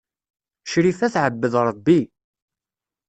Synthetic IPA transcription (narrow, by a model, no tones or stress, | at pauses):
ʃɾifæθʕəbːəðɾˤəbːi